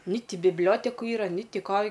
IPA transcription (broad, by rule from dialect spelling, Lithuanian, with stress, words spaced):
nʲɪ ˈtʲɪ bʲɪbʲˈlʲoːtʲɛkʊ ˈiːrɐ nʲɪ ˈtʲɪ ˈkoː